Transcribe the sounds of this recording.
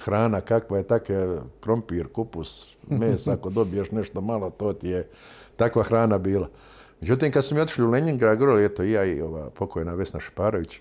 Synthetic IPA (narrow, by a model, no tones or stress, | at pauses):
xɾaːnakakʋajet̪akekɾo̞mpiːɾkupus | meːsaakod̪o̞bijeʃneʃt̪omalˠot̪oːt̪ije | t̪akʋaxɾaːnabiːla | med͡ʑut̪iːmkad̪somiot̪i̥ʃliuleɲiŋɡɾaːɡoɾoliet̪oijaio̞ʋa̰ːpo̞kojnaʋe̞snaʃe̥paːɾoʋit͡ɕ